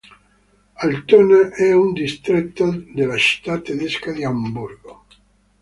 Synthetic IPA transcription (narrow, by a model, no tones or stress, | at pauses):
alt̪oneʔɛund̪ist̪ɾet̪ːod̪elat͡ʃi̥t̪at̪ːeðeskaðeambuɾɡo